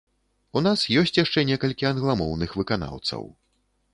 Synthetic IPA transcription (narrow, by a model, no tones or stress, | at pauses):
unasjɔsʲt͡sʲjaʂt͡ʂɛnʲɛkɐlʲkʲiɐnɣlˠamɔwnɨxvɨkana̰wt̪sɐ̰w